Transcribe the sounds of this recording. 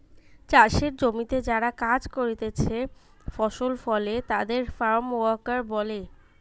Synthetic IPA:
t͡ɕaʃeɾd͡ʑomit̪ed͡ʑaɾakad͡ʑkoɾit̪et͡ɕʰe | fɔʃolfɔlet̪ad̪eɾfaɾmoakaɾbɔle

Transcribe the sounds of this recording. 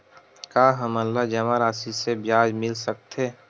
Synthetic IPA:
kaːɦəməlːad͡ʒɐmaɾaːsisebjaːd͡ʒmɪlsək̚t̪eː

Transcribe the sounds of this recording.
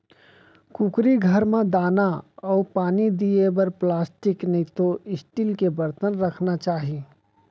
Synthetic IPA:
kukɾiɡʱɐɾmẽd̪aːnaɔːɾpaːnid̪iebɐɾplaːsʈɪknit̪oɪsʈiːlkebɐɾt̪ənɾɐkʰnat͡ʃaːɦie

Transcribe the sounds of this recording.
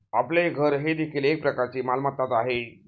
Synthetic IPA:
apleɡʱəɾɦed̪ekʰiːlek̚pɾəkaɾt͡ɕiːmalmat̪ːat̪aɦe

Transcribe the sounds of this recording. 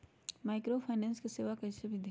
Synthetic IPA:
maːɪkɾopʰaːnɛ̃ːnskiseːʋakɐisebʱid̪ʱ

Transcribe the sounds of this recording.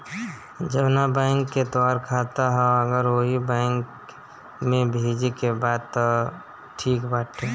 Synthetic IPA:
d͡ʒəʋnabɛ̃ːŋkːet̪aːɾkʰaːt̪aɦɛ̃əɡəɾʋoːɦibɛ̃ːŋk | mẽbʱeːd͡ʒekebaːd̪̚t̪ɔ | ʈʰiːkbaːʈʰe

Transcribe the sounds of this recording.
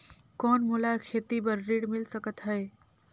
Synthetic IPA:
kɔnmulakʰet̪ibəɾːiɽmilsəkət̪ɦəe

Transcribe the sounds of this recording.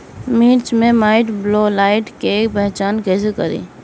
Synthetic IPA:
miːɾt͡ʃmẽmaːɪʈbloːlaːɪʈkeːkpɛɦt͡ʃaːnkesekɐɾḭː

